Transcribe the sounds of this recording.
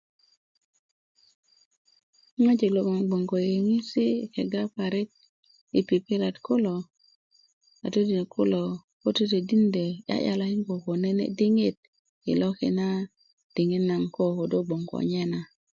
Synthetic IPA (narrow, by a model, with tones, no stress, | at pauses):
ŋa˦d͡ʒe˨lo˨ko˨ŋ˨ɡ͡bo˨ŋɡo˨je˨ŋi˦si˦˨kɛ˨ɡa˦pa˨ɾɪ˦k̚ | i˨pi˨pi˦ɾa˨tko˦lo˨ | a̰˨te˦di˨n˨kʰʊ˦lo˨ | ko˦te˦te˨di˦nde˨ja̰˦ʔja̰˨la˨˦ɪ˦ŋɡo˨ko˨nɛ˦nḛ˦di˦ŋe˦t̚ | ɪ̰˨lɔ˦kɪ̰˨na˦ | d̥ɪ˨ŋi˦tna˨ŋko˦ko˨do˦ɡ͡bo˨ŋɡɔ̰˨ɲɛ˦na˨